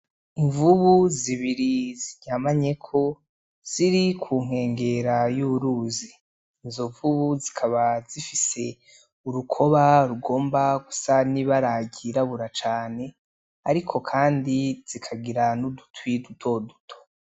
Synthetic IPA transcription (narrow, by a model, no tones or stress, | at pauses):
iɱvuβuziβiɾiziɲamaɲe̞kʰo̞ | z̥iɾikʰuːŋ̥e̞ːŋɡe̞ɾajuβuɾuːzi | izo̞ɱvuβuzikʰaβazifise̞ | uɾukʰo̞βaɾuɡo̞ːmbaɡusaniβaɾaɟiɾaβuɾat͡ʃaːne̞ | aɾikʰo̞kʰaːndiz̥ikʰaɡiɾanudu̥twidutʰo̞dutʰo̥